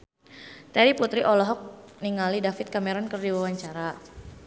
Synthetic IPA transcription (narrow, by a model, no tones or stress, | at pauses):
t̪ɛɾiput̪ɾiʔɔlɔɦɔk̚niŋalidafɪt̪̚kamɛɾɔnkərdiwawaɲt͡ʃaɾa